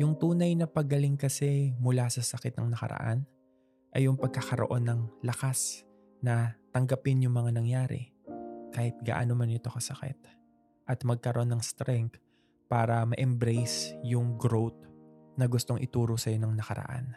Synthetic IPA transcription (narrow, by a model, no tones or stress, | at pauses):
jʊŋt̪uːnɐjnɐpɐɡɐlɪŋkɐsɛmʊlasɐsɐkɪt̪̚nɐŋnɐkɐ̰ɾɐ̰ʔa̰n | ʔɐjʊŋpɐɡ̚kɐxɐɾo̰ʔo̞nːɐŋlɐkas | nɐt̪ɐŋɡɐpɪnjʊŋmɐŋanɐŋjaːɾɛ̰ | kaːhɪt̪̚ɡa̰ːʔa̰nomɐnɪt̪o̞kɐsɐkɛ̰t̪̚ | ʔɐt̪mɐɡ̚kɐɾoʔonːɐŋst̪ɾɛŋk | paːɾɐmɐʔɛmbɾɛjsjʊŋɡɾowt̪̚nɐɡʊst̪o̞ŋʔɪt̪uːɾo̞sɐjo̞nɐŋnɐkɐɾɐ̰ʔa̰n